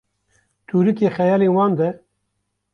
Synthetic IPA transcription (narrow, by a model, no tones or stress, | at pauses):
t̪ʰuːɾɨkeːxɛjɑːleːwɑːnd̪ɛ